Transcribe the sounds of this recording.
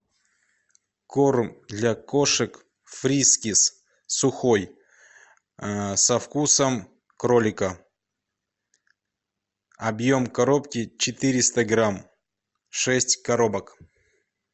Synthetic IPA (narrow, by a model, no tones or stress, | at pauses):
kormd̪lʲakoʂɨk | fɾʲiskʲɪs | sʊxo̞j | sɐfkusəm | kɾolʲɪkə | ɐbjo̞mkɐɾopkʲɪt͡ɕɪt̪ɨɾʲɪst̪əɡɾam | ʂɛsʲtʲkɐɾo̞bək